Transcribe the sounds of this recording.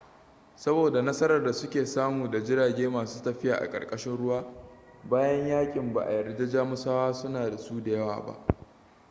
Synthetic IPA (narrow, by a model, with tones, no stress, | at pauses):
sɐ˦boː˨da˨nɐ˦sɐ˦ɾɐ˨rda˨sʊ˦kʲeː˨saː˦muː˨da˨d͡ʒɪ˦ɽaː˨ɡʲeː˦maː˨suː˦tɐ˦ɸɪ˦ja̰ː˨ʔa̰˨kʼɐ̰˨kʼɐ˦ʃɪ˦nɽʊ˦waː˦ | baː˦jɐ˦ɲjaː˦kʲʼɪ˨mba̰˨ʔa̰˨jɐ˨rde˦d͡ʒaː˦mʊ˦saː˦waː˦sʊ˦naː˨da˨suː˦da˨jɐ˦wa̰ː˨ba̰˦ʔ